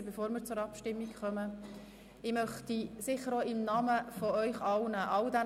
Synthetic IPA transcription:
bɛfoːɾmɪːɾt͡sʊɾɑpʃtɪmːikχœmə | ɪmœχt̪isɪχəɾoːɪmnɑməfɔœʏχɑlnəʔɑld̪æ

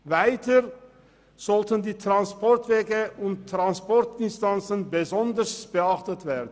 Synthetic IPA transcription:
vaɪtə | z̥ɔltəndiːtʁ̥anspɔɐtv̥eːɡəʊnttʁ̥anspɔɐtɪnstant͡sənbəzɔndəsb̥əaχtətv̥eːɐdən̩

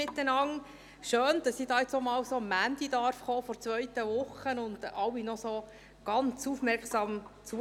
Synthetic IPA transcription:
ɪt̪ːənɑŋ | ʃøːnd̥ɑsidɑːjɪt͡sɔmɑːwsoːmænd̥id̪ɑɾfχoːfɔɾt͡sʋœʏt̪əʋʊχənʊnd̥ɑwːinɔsoː | ɡ̥ɑnt͡sufmɛɾksɑːmt͡su

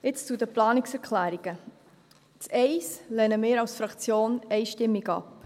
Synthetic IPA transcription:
ɪt͡st͡sudəplɑːnɪksɛɾkʰlæːɾiɡ̥ə | t͡sɛɪslɛnəmɪːɾɑwsfɾɑkt͡sjoːnɛɪʃtɪmːiɡɑ̰p

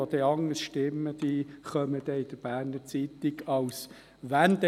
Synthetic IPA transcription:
od̪ɛɑŋːəsʃtɪmːəd̪̥iχœməd̪̥ɛɪd̪̥əɾb̥æːɾnəɾt͡sit̪ɪɡɑws | ʋænd̪ɛ

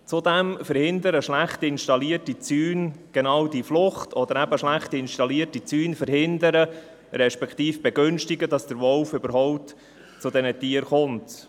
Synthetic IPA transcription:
t͡sʊdɛmfəɾhɪndəɾəʃlæχtɪnʃtɑliətit͡syːnɡ̥enɑːwdiflʊχtʰɔd̪əɾæbəʃlæχtiɪnʃtɑliətit͡syːnfəɾɦɪndəɾə | ɾɛʃpɛkχtiːfb̥ɛɡʏnʃtɪɡədɑsd̥əɾvɔlfʏbəɾɦɔʊp̚t | t͡sʊdɛnətiəɾχʊnt

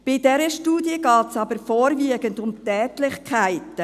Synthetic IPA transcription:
b̥ɪdɛɾəʃtuːdiəɡɑːtsɑbəɾfoːɾviəɡəndʊmtɛːtlɪçkʰaɪtə

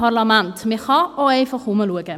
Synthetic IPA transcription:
arlamantʰmɪχɔɔejfɔχuməlˠuəɡɛ

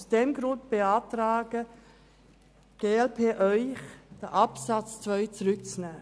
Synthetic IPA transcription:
usd̥ɛmɡɾʊnt̚b̥eaːtɾaːɡə | ɡ̥eːɛlpʰeːʔœʏχd̥əʔapsat͡st͡svœʏt͡sʁʏk̚t͡snɛː

